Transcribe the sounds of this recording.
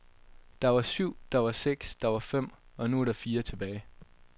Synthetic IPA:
d̥ɑ̈ʋɑ̈syʊ̰d̥ɑ̈ʋɑ̈seɡ̥sd̥ɑ̈ʋɑ̈fem̰ɒ̽nuɐɾ̥ɑ̈fiːɐt͡sʰe̝b̥ɛːɪ

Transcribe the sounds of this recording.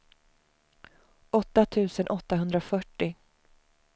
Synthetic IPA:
ʔɔt̪ːat̪ʰʉ̟ːsənʔɔt̪ːaɦɵnd̪ɾafœʈːɪ

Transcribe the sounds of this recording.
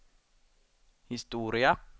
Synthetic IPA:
hɪst̪uːɾɪa

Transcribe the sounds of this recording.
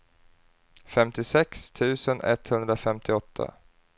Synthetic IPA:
fɛmt̪ɪsɛkst̪ʰʉ̟ːsənɛ̰t̪hɵnd̪ɾafɛmt̪ʰɪɔt̪ʰːa̰

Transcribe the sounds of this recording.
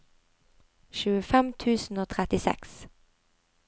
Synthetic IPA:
ʃʉːəfɛmt̪ʰʉːsn̩oːt̪ʰʁɛt̪ɪsɛ̰ks

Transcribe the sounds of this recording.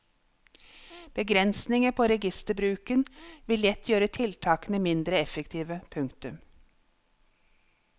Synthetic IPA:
b̥əɡɾɛnsnɪŋəpʰoːɾɛɡɪst̪əbɾʉːkənʋɪlɛt̪ʰjøːɾət̪ʰɪlt̪ʰɑːkənəmɪnd̪ɾəɛfəkt̪ʰiːʋəpʰʉŋkt̪ʉm

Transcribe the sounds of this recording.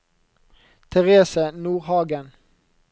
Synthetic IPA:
t̪ʰɛʁeːsənuːʁhɑːɡən

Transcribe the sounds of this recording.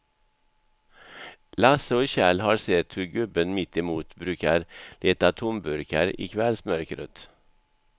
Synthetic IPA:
lɑsəoːçæːlhɑːɾseːt̪ʰhʉːɡʉbənmɪt̪ɪmuːt̪bɾʉːkəɾleːt̪ɑt̪ʰʊmbʉɾkəɾḭːkʰʋɛlsmœɾkɾø̰t̪

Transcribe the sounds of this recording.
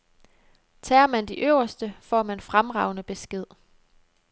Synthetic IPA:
t͡sʰɛ̰ːɐmænd̥iʔøʊ̰ɐsd̥əfɒ̰ːmænfʁamʁɑ̈ʊ̰nəb̥e̝sɡ̥e̝ð̞̰ˠ

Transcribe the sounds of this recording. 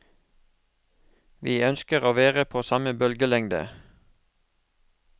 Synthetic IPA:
ʋiːœnskəʁoːʋeːʁəpʰoːsɑməbœlɡəlɛŋd̪ə̰

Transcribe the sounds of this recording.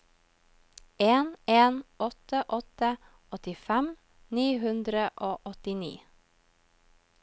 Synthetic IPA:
eːneːnɔt̪əʔɔt̪ə | ʔɔt̪ɪfɛm | niːɦʉnd̪ɾəʔoːʔɔt̪ɪnḭː

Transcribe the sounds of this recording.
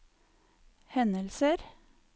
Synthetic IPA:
hɛnəlsəɾ

